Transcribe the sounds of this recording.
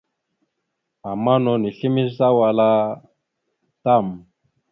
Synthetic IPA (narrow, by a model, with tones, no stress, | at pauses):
a˨ma˦nɔ˨ni˨ɬi˦mi˦za˦wa˨la˦ | ta˦˨m˨